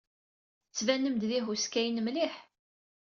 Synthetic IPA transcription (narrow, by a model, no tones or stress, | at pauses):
t͡sːvænːəmd̪ðiɦuskæjənmliħ